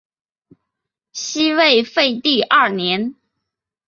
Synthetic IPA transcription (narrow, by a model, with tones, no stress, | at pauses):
ɕi˥we˥˧ɪfe˥˧ɪt̪i˥˧ʔɐ˥˩njɛ˧˥n